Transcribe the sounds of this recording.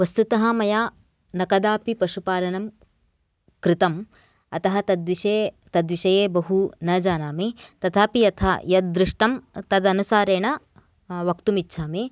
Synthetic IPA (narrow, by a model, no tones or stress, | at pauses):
ʋɐst̪ut̪ɐɦɐ̆mɐjaː | nɐkɐd̪aːpipɐʂupaːlɐnɐm | kɾɪt̪ɐm | ɐt̪ɐɦɐ̆t̪ɐd̪ʋiʃe | t̪ɐd̪ʋiʃɐjeːbɐɦunɐːd͡ʒaːnaːmit̪ɐt̪ʰaːpiɐt̪ʰa̰jɐd̪̚d̪ɾɪʂʈɐmt̪ɐd̪ɐnusaːɾeːnɐ | ʋɐkt̪umitːʃʰaːmi